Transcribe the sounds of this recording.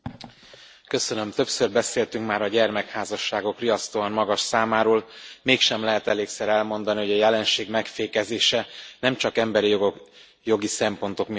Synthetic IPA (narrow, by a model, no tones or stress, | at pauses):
kø̞sø̞nø̞mt̪ø̞psørbɛseːlt̪yŋkmaːɾɒɟɛrmɛkhaːzɒʃːaːɡo̞kriɒst̪oɒnmɒɡɒʃsaːmaːɾoːlmeːkʃɛmlɛɦɛt̪ɛleːksɛɾɛlmo̞n̪d̪ɒniɦo̞ɟɒjɛlɛnʃeːɡmɛkfeːkɛzeːʃɛnɛmt͡ʃɒkɛmbɛɾijoo | jo̞ɡisɛmpo̞nt̪o̞kmi